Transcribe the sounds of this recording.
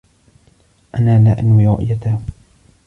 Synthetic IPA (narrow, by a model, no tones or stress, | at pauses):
ʔanaːlaːʔanwiːɾʊ̰ʔjat̪a